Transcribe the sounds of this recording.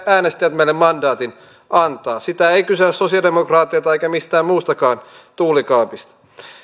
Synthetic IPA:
æːnest̪ijæt̪melːemmɑndɑːt̪in | ʔɑnt̪ɑːsit̪æeikysesosiɑdemokrɑːt̪ːˑiɑt̪ɑeikæmist̪æːmmuːst̪ɑkɑːnt̪uːlikɑːpist̪ɑ̥

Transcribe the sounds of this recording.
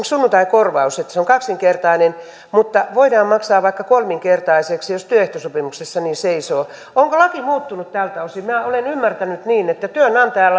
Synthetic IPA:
sunːunt̪ɑikorʋɑuset̪ːseoŋkɑksiŋkert̪ɑinen | mut̪ːɑʋoidɑːmmɑksɑːʋʋɑikːɑkolmiŋkert̪ɑiseksijost̪yøeht̪osopimuksesːɑniːseisoː | oŋkolɑkimuːt̪ːunut̪t̪æːlt̪ɑusilmæːolenymːært̪ænyt̪niːnet̪ːæt̪yønɑnt̪æːl

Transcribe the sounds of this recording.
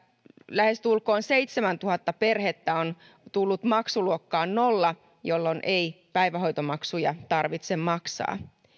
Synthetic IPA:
læhe̞st̪ulko̞ːnseit̪semænt̪uhɑt̪ːɑpe̞rhet̪ːæon | t̪ulːut̪mɑksuluokːɑːnno̞lːɑ | jo̞lːonʔej | pæjʋæɦo̞jt̪omɑksujɑ̰t̪ɑrʋit̪semmɑksɑ̰ː

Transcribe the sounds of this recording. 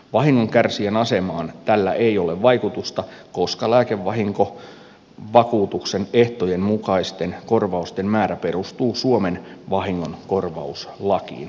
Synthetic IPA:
ʋɑɦiŋːo̞ŋkærsienɑse̞mɑːnt̪ælːæʔejo̞leʋʋɑjkut̪ust̪ɑko̞skɑlæːke̞ʋːɑɦiŋko̞ | ʋɑkuːt̪ukse̞neht̪ojemmukɑist̪e̞nko̞rʋɑust̪e̞mmæːɾæpe̞ɾust̪uːsuome̞nʋɑɦiŋːo̞nko̞rʋɑ̰uslɑkḭːn

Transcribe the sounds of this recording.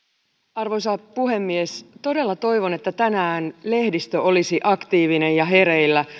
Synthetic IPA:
ɑrʋojs̬ɑpuɦe̞mːiest̪o̞de̞lːɑt̪o̞jʋo̞ne̞t̪ːæt̪ænæːnle̞hdist̪øo̞lisiʔɑkt̪iːʋinejɑɦe̞ɾeilːæ

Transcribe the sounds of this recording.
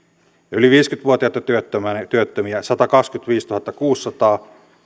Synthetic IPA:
ɑyliʋiːskyt̪ʋuot̪iɑt̪ːɑt̪yøt̪ːømænt̪yøt̪ːømiæsɑt̪ɑkɑkskyt̪ʋiːst̪uhɑt̪ːɑkuːsːɑt̪ɑː

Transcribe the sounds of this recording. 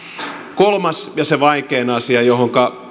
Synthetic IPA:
kolmɑsjɑseʋɑikeːnɑsiɑjoɦoŋkɑ

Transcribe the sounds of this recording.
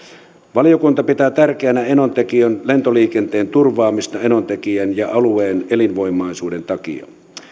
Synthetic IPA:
ʋɑlijokunt̪ɑpit̪æːt̪ærkeænæenont̪ekiønle̞nt̪oliːkent̪eːnt̪urʋɑːmist̪ɑenont̪ekiænjɑʔɑlueːnelinʋo̞imˑɑisuːdent̪ɑkḭɑ̰

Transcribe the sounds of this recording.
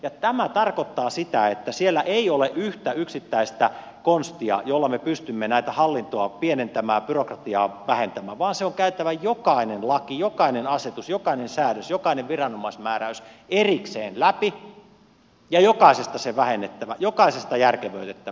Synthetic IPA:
jɑt̪æmæt̪ɑrkot̪ːɑːsit̪æet̪ːæsielːæʔeioleʔyht̪æyksit̪ːæist̪æ | konst̪iɑ̰jolːɑmepyst̪ymːenæit̪æhɑlːint̪oɑpienent̪æmæːpyrokrɑt̪iɑːʋæhent̪æmæːʋɑːnseoŋkæyt̪æʋæjokɑinenlɑkijokɑinenɑset̪usjokɑinensæːɾøsjokɑineʋʋirɑnomɑismæːɾæyserikseːnlæpi | jɑjokɑisest̪ɑseʋæhenːet̪ːæʋæjokɑisest̪ɑjærkeʋøyt̪et̪ːæ

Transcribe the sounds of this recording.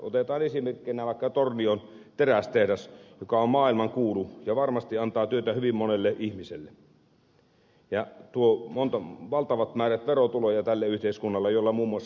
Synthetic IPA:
o̰t̪et̪ɑːnesimerkːˑinæʋɑˑikːɑt̪ornion | t̪eræst̪ehdɑsjokɑommɑːilmɑŋkuːlujɑʋɑrmɑst̪iɑnt̪ɑːt̪yøt̪æhyʋimmonelːeʔihmiselːe | jɑt̪uomont̪ɑʋɑlt̪ɑʋɑt̪mæːræt̪ʋerot̪ulojɑt̪ælːæyht̪eˑiskunːɑlːejolːɑmuːmːuɑs

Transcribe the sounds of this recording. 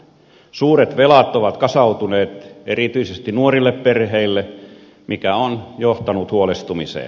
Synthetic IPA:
suːret̪ʋelɑt̪oʋɑt̪kɑsɑut̪uneːt̪erit̪yisest̪inuorilːepperheilːe | mikæonjoht̪ɑnut̪huolest̪umisḛː

